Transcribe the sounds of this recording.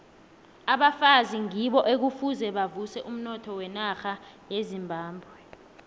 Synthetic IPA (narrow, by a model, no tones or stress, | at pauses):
aɓafaziŋiɓɔʔek̬ufuzɛɓavusɛʔum̩nɔtʰɔwɛnaxajezimbʱaːmbʱwɛ